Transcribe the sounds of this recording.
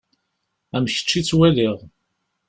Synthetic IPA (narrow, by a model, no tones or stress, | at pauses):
æməçə̥t͡ʃːit͡sːwæliʁ